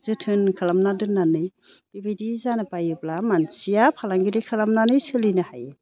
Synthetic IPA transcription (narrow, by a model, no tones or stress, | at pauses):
z̥ɯtʰɯnkʰɯlamnadɯnːanɯj | b̥ibidizanabajɯblamansijapʰalaŋɡiɾikʰɯlamnanɯjsɯlinahaj